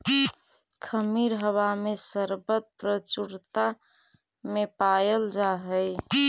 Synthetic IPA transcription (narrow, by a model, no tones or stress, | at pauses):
kʰəmiɾɦəwamesəɾbət̪̚pɾət͡ʃuɾt̪a | mepajəld͡ʒaɦəj